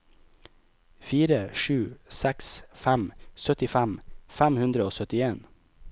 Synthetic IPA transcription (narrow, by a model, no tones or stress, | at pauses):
fiːɾəʃʉːsæksfæmsœt̪ɪfæmfæmhʉnd̪ɾəoːsœt̪ɪeːn